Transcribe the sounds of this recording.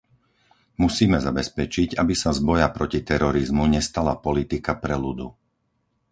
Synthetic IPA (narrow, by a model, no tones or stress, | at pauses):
musiːmɛzabɛspɛt͡ʃiɟabisazbɔjapɾɔcit̪ɛɾɔɾizmuɲɛst̪ala̰pɔlit̪ikapɾɛlud̪u